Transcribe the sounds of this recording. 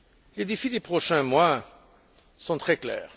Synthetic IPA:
led̪efid̪epχɔʃɛ̃mwa | sɔ̃t̪χɛklɛ̰ːʁ

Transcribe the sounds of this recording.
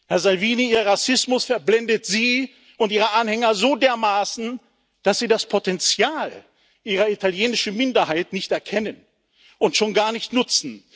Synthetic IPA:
hɛɐzalviːniiːʁʁasɪsmʊsfɛɐblɛndətz̥iː | ʊntiːʁəʔanhɛŋɐzoːdeːɐmaːsn̩ | d̥asz̥iːdaspʰotɛnt͡sjaːl | ʔiːʁɐitaljeːnɪʃn̩mɪndɐhaɪtnɪçtɛɐkʰɛnən | ʊntʃoːnɡaːɐnɪçtnʊt͡sn̩

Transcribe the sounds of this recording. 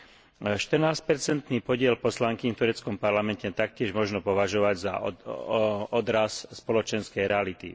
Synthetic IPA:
ʃt̪ər̩naːsc̚pɛɾt͡sɛnt̪niːpɔɟɪɛlpɔslaŋkiɲft̪uɾɛt͡skɔmpaɾlamɛncɛt̪ak̚cɪɛʒmɔʒnɔpɔʋaʒɔʋaɟza̰ | ɔd̪ɾasspɔlɔt͡ʃɛnskɛjɾɛalit̪ḭ

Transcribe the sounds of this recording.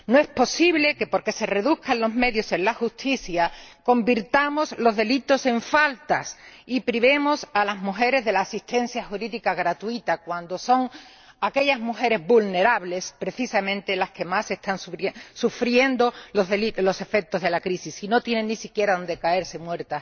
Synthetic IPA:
noe̞spo̞siβle̞ke̞po̞ɾke̞se̞re̞ðuhkanlo̞zme̞ðjo̞se̞nlaxust̪iθjako̞mbiɾt̪amo̞slo̞zðe̞lit̪o̞se̞ɱfalt̪asipɾiβe̞mo̞salazmuxe̞ɾe̞zðelaːsist̪ẽ̞nθjaxuɾiðikaɣ̞ɾat̪uit̪akwand̪o̞so̞ŋ | ake̞ʎazmuxe̞ɾe̞zβulne̞ɾaβle̞spɾe̞θisamẽnt̪e̞laske̞mase̞st̪ansuesufɾje̞nd̪o̞lozðelilo̞se̞fe̞k̚t̪o̞zð̞e̞lakɾisisino̞t̪je̞neŋːisikje̞ɾaðo̞nd̪e̞kae̞ɾse̞mweɾt̪a

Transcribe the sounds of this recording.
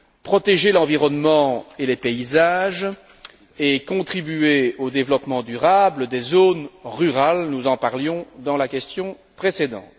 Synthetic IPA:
pχɔt̪eʒelɑ̃viʁɔnmɑ̃elepeizaːʒ | ekɔ̃t̪χibyeod̪evlɔpmɑ̃d̪yʁabləd̪ezoːnʁyʁalnuzɑ̃paʁljɔ̃d̪ɑ̃lakʲɛst̪jɔ̃ | pχesed̪ɑ̰̃ːt̪

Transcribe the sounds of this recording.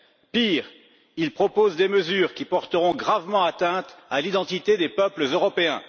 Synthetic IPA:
piːʁ | ilpχɔpozd̪eməzyːʁkʲipɔʁt̪əʁɔ̃ɡʁavmɑ̃at̪ɛ̃t̪alid̪ɑ̃t̪it̪ed̪epœpləzøʁɔpeɛ̃

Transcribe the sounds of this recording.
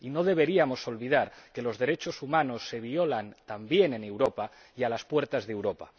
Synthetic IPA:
ino̞ðe̞βe̞ɾiamo̞so̞lβiðaɾke̞lo̞zðe̞ɾe̞t͡ʃo̞sumano̞sːe̞β̞iolant̪ambje̞ne̞ne̞wɾopa | ialaspwe̞ɾt̪azðewɾopa̰

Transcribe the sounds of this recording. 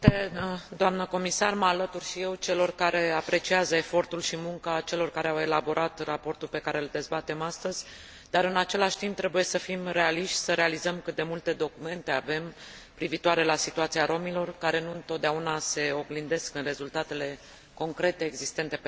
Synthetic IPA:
t̪ed̪oamnəko̞misarməalət̪urʃije̞wt͡ʃe̞lo̞rkaɾe̞apɾe̞t͡ʃiazəe̞fo̞rt̪ulʃimuŋkat͡ʃe̞lo̞rkaɾe̞awe̞labo̞ɾʔat̪rapo̞rt̪ulpe̞kaɾe̞ld̪e̞zbat̪e̞mast̪əzʲ | d̪aɾɨnat͡ʃe̞laʃt̪imp̚t̪ːɾe̞buje̞səfimre̞aliʃt̪ʲsəɾe̞alizəmkɨt̪̚d̪e̞mult̪e̞d̪o̞kume̞nt̪e̞ave̞m | pɾivit̪uaɾe̞lasit̪uat̪siaɾo̞milo̞rkaɾe̞nuɨnt̪ot̪d̪eaunase̞o̞ɡlind̪e̞skɨnre̞zult̪at̪e̞le̞ | ko̞ŋkɾe̞t̪e̞ːɡzist̪e̞nt̪e̞

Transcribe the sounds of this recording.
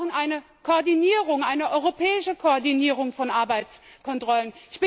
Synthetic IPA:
ənʔaɪnə | kʰoːɐdiniːʁ̞ʊŋʔaɪnəʔɔʏʁopʰɛːɪʃəkʰoɔɐdiniːʁʊŋfɔnʔaɐbaɪtt͡skʰɔntʁ̥ɔlənɪçb̥ɪ

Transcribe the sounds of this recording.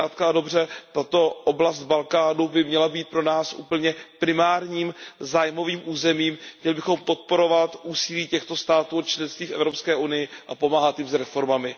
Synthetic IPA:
aːt̪̚kado̞brɛt̪at̪o̞ʔoblast̪̚balkaːnubɪmɲɛlabiːt̪̚pɾo̞naːsʔṵːpl̩ɲɛpɾɪmaːɾɲiːmzaːjmo̞viːmʔuːzɛmiːmxɲɛlɪbɪxo̞mpo̞t̪̚po̞ɾo̞vat̪ʔuːsɪliːcɛxt̪o̞st̪aːt̪uːot͡ʃlɛnst̪viːfɛ̰vɾo̞pskɛːʔunɪjɪʔapo̞maːɦat̪jɪmzɾɛfo̞ɾmamɪ

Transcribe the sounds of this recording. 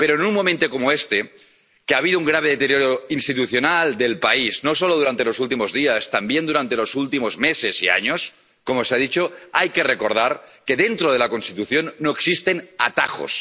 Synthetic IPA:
pe̞ɾoenunmo̞mẽnt̪okomoest̪e | keaβ̞iðouŋɡɾaβ̞e̞ð̞et̪eɾjoɾoinst̪it̪uθjo̞nald̪e̞lpaizno̞soloð̞uɾant̪e̞lo̞sult̪̬imo̞zðiast̪ambje̞nd̪uɾant̪e̞lo̞sult̪imo̞zme̞sesia̰ɲo̞s | ko̞moseaðit͡ʃoajke̞rekoɾð̞aɾke̞ðe̞nt̪ɾoð̞e̞lako̞nst̪it̪uθjo̞nːo̞eksist̪e̞na̰t̪axo̞̰s

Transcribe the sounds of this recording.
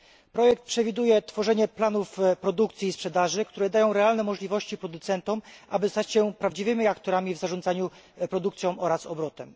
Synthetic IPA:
pɾɔjɛk̚t̪̚pʂɛvʲid̪ujɛt̪fɔʐɛɲɛplanufpɾɔd̪ukt̪sʲjiːspʂɛd̪aʐɘkt̪uɾɛd̪ajɔ̃w̃ɾɛalnɛmɔʐlʲivɔɕt͡ɕipɾɔd̪ut̪sɛnt̪ɔmʔabɘst̪at͡ɕɕɛpɾavd͡ʑivɘmʲiakt̪ɔɾamʲivzaʐɔ̃nzaɲu | pɾɔd̪ukt̪sʲjɔ̃w̃ɔɾasɔbɾɔt̪ɛm

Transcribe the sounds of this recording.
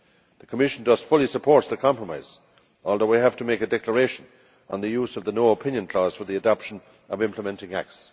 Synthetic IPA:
ðəkʰəmɪʃə̃ndʌz̥fʊlˠisəpʰɔɹt̚ðəkʰɑ̃mpɹəmaɪz̥ | ɔlˠðoʊwiɦæv̥tʰəmeɪkɨdɛklə˞eɪʃə̃n | ə̃nðəjuzʌvðənoʊəpʰɪ̃njə̃nkʰl̥ɔz̥fə˞ðiədɑpʃə̃n | əvɪ̃mpʰləmɛ̃ntɪ̃ŋæ̰k̚ts

